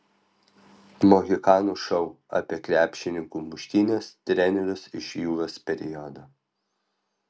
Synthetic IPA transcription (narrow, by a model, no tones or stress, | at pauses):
moːɣʲɪkɑːnuʃɐʊ | ɑ̰pʲiɛkɾʲæːpʲʃʲɪnʲɪŋkuːmʊʃʲt̪ʲiːnʲeːst̪ʲɾʲɛnʲɛɾʲʊsɪʃjuːɾospʲɛɾʲɪjɔd̪ɐ